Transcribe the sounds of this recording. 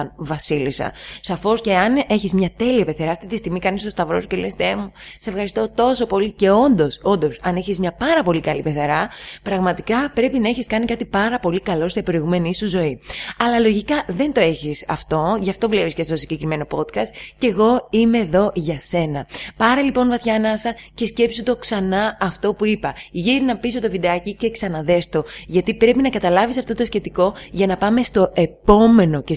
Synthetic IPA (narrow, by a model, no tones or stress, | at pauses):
nvɐsilisɐ̰sɐfo̞sce̞ɐne̞çizmɲɐt̪e̞liɐpe̞θeɾɐːft̪it̪ist̪iɣmikɐnist̪o̞st̪ɐvɾo̞sucelest̪emusse̞fxɐɾist̪ot̪o̞so̞po̞lice̞o̞nd̪o̞so̞nd̪o̞sɐne̞çizmɲɐpɐɾɐpo̞likɐlipe̞θeɾɐpɾɐɣmɐt̪ikɐpɾe̞pinɐeçiskɐnikɐt̪ipɐɾɐpo̞likɐlo̞sepɾo̞iɣume̞niisuzo̞iɐlɐlo̞ʝikɐðe̞nt̪o̞e̞çisɐ̰ft̪o̞ʝɐft̪o̞vle̞pisce̞st̪osiɲɟekɾime̞no̞po̞t̪kɐst̪̚ce̞ɣo̞ime̞ðo̞ʝɐse̞nɐ̰pɐɾelipo̞nvɐθçɐnɐsɐce̞sce̞psut̪o̞ksɐnɐːft̪o̞puipɐʝiɾinɐpiso̞t̪ovid̪ɐcice̞ksɐnɐðe̞st̪o̞ʝɐt̪ipɾe̞pinɐkɐt̪ɐlɐvisɐft̪o̞t̪osçe̞t̪iko̞ʝɐnɐpɐme̞st̪o̞e̞po̞me̞no̞ce